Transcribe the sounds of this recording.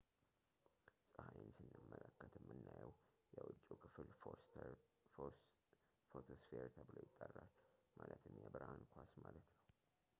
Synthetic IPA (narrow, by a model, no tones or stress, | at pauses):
sʼəhajɪnsɨnːɨmːələkːət̪ɨmːɨnːajɛw | jɛwʊt͡ʃʼːukʰɨfɨl | fot̪ʰosfeɾt̪ʰəbɨlojɪt̪ʼːərːalmʔalət̪ɨmjɛbɨɾankʰʷasmalət̪nəw